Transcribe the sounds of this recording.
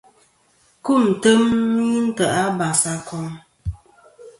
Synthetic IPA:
ku˦˨n̩˨tə˦mni˦n̩˦tə˨a˦ba˨sa˦kʰɔ˦ŋ

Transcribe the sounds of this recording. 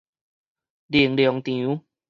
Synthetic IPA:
li˨˩əŋljɔ˨˦ŋt̪jĩ˨u˨˦

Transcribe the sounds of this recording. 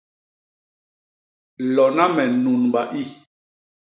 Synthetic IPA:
lɔ˨na˦mɛ˨nu˨nɓa˨ʔi˦

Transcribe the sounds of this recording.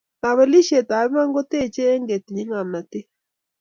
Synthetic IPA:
ta˨βe˨li˦ʃe˨ta˨βi˦ma˦ŋɡo˦te˦˨t͡ʃe˦ŋɡe˨ti˨ɲi˦ŋa˨mna˨te˦

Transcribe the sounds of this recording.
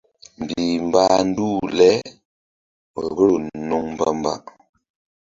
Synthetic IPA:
m̩˨bbi˨m̩˨ba˦n̩˦du˦˨lɛ˦˨ | ɣə˦˨nu˦ŋm˨bə˦mba̰˦

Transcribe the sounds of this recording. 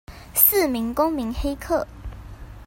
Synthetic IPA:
s̩˥˨mi˨˥ŋkʊ˥ŋmi˨˥ŋxe˥ɪkʰɤ˥˩

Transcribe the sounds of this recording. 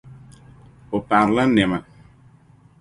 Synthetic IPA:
o˨pa˨ɾla˦nɛ˨ma˨

